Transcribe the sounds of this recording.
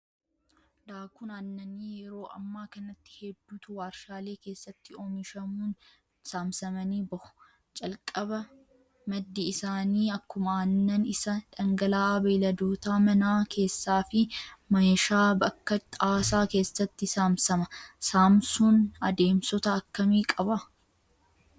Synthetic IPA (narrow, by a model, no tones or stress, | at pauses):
d̪aːkʊnɐnːɐniːjɛɾo̞ːʔɐ̰mːaːkɐnɐt̪ːɪ̥hɛd̪ːuːt̪ʊwaːɾʃaːle̞ːkeːsːɐt̪ːɪoːmɪʃɐmuːn | saːmsɐmɐniːbɐhʊ̥ | t͡ʃʼɐlkʼɐbɐ | mɐd̪ːɪɪsaːniːɐkːʊmaːnːɐnɪsɐᶑɐŋɡɐlaːbɐjlɐd̪oːt̪aːmɐnaːkʰe̞ːsːaːfɪmɐjɐʃaːbɐkːɐt̪ʼaːsaːke̞ːsːɐt̪ːɪsaːmsɐmɐsaːmsuːnɐd̪e̞ːmsɔt̪ɐɐkːɐmiːkʼɐbɐ